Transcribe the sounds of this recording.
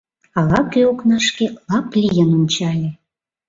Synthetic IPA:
ɑlˠɑkeoknɑʂkʲelˠɑplʲijənunʲt͡ɕɑlʲe

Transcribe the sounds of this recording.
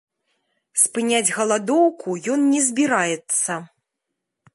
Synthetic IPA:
spɨnʲad͡zʲɣɐlˠad̪ɔwkujɔnnʲɛzʲbʲiɾajɛt̪sɐ

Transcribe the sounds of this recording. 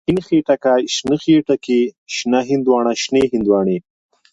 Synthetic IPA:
hɪnxeːʈakaʃnɨxeːʈakiʃnaɦɪnd̪wɑːɳaʃneːɦɪnd̪wɑːɳe

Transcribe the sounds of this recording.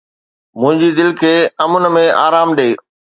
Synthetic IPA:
mʊ̃ɦɪ̃ɲd͡ʑid̪ɪlkʰeːɐmʊnə̆mẽa̰ːɾaːmɗeː

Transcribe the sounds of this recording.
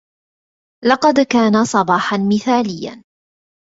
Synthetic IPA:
lɑqɑd̪kaːnasˤɑbɑːħanmɪθaːlɪjːa̰n

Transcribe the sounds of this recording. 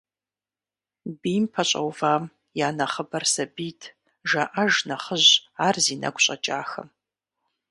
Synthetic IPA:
biːmpʰɐɕʼɐ̰wvaːm | jaːnɐχəbɐrsɐbiːtʰ | ʒɐʔɐʒnɐχəʑaːrziːnɐ̰ɡʷɕʼɐt͡ʃʼa̰ːxɐ̰m

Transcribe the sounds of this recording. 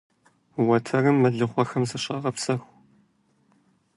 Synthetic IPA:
wɐtʰɐrɨmːɐɮɨχʷɔxɐmzɐɕʼɑːʁɐpsɐxʷ

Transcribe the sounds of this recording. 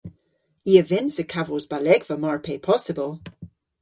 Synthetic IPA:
iəvɛ̃nsəkʰavozbalɛɡvəmaɹpʰeːpʰɔsəbəlˠ

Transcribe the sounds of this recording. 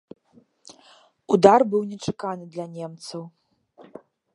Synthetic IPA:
ud̪arbɨwnʲɛt͡ʂḁkanɨd̪lʲɐnʲɛmt̪sɐw

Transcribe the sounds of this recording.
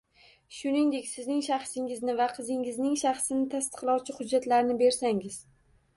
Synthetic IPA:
ʃʊnɪŋd̪e̞kʲsɪznɪŋʃaχsɪŋɪznɪvaqʰɨzɪŋɪznɪŋʃaχsɪnɪt̪ʰast̪ɨ̥qlˠɒwt͡ʃʰɪhʊd͡ʒːat̪laɾnɪbe̞ɾsaŋɪz̥

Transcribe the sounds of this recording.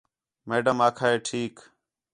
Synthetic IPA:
meːɖəmaːkʰaːeːʈʰiːk

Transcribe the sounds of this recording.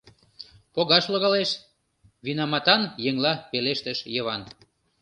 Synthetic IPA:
poɣɑʃloɣɑleʃ | βinɑmɑt̪ɑnjeŋlɑpeleʃt̪əʃjəβɑn

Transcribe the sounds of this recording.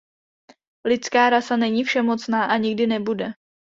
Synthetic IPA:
lɪt͡skaːɾasanɛɲifʃɛmo̞t͡snaːʔaɲɪɡ̚dɪnɛbudɛ

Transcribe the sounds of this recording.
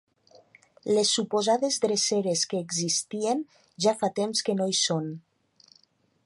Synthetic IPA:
lesːupozaðezðɾeseɾeskəːɡzist̪ien | ʒafat̪emskənoison

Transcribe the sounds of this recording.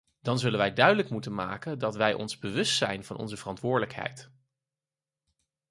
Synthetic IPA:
d̥ɑnzɵlənʋɛjdœɥdələkmutənmaːkəndɑtʋɛjʔɔ̰nzbəʋɵstsɛjnv̥ɑ̰nʔɔ̰nzəvərɑntʋʊːɹdələkɦɛ̰jt

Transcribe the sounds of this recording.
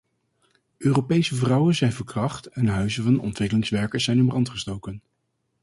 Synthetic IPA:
ʔøːrowpejsəvrɑwənzɛjnvəɹkrɑχtɛnɦœɥzəvɑnɔ̰ntʋɪkəlɪŋsʋɛɹkəɹszɛjnəmbrɑntχəstowkən

